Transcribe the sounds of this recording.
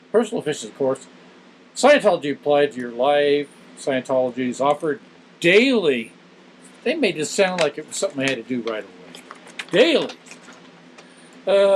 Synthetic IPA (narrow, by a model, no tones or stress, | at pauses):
pʰɜ˞sn̩l̩ˠpɪʃɨ̃zʌ̥v̥kʰɔɹs | saɪɨ̃ntʰɑlˠəd͡ʒiɨpʰl̥aɪd̚tɨjə˞laɪf | saɪɨ̃ntʰɑlˠəd͡ʒizɔfə˞d̚ | d̥eɪlˠi | ðeɪmeɪd͡ʒʌstsãʊ̃ndˡlaɪkɨw̥sʌ̃mθɪ̃ŋaɪɨd̚tɨdɨɹaɪɾəweɪd̥eɪlˠi | ʌ